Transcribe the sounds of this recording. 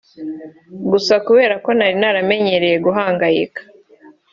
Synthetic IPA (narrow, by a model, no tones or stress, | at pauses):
ɡusakuβe̞ːɾako̞naɾinaɾame̞ɲe̞ɾe̞je̞ɡuɦaːŋɡajḭkḁ